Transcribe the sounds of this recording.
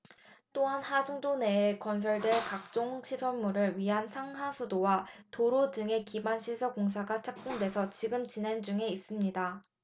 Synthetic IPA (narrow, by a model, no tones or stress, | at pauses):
t͈oɦanhad͡ʑuŋd͡ʑoneːkwʌns̬ʰʌɭdwekak̚t͡ɕ͈oŋɕʰisʰʌmuɾɯɭɥiɦansʰaŋɦasʰudowatoɾod͡ʑɯŋe̞kibanɕʰisʰʌkoŋs̬ʰaɡat͡ɕʰak̚p͈uŋde̞sʰʌt͡ɕiɡɯmt͡ɕine̞nd͡ʑuŋe̞is͈ɯmɲida